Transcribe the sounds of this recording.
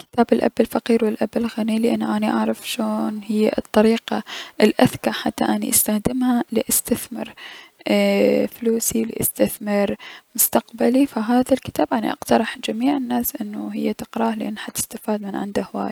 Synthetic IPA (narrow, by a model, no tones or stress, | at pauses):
kɪ̥t̪aːbɪlʔa̰bːɪlfɑqiːɾwɪlʔabɪlɣanilɪʔanːʔaniʔaʕɾˤɑfʃoːnhɪjːa̰t̪ˤːɑɾiːqaʔɪlʔaθkaʕħat̪ːa̰ʔanḭʔast̪axd̪ɪmhalɪʔast̪aθmɪ̰ɾ | fluːsilɪ̰ʔɪst̪aθmɑɾmʊst̪aqbalifaɦaːðalkɪ̥t̪aːbʔanḭʔɑ̰qt̪ɑɾˤɑħd͡ʒamiːʕɪnːaːsʔɪnːuɦɪjːat̪ɪqɾˤɑːhlɪʔanːhat̪ɪ̥st̪afaːd̪mɪnʕɪnd̪ahwa̰ːj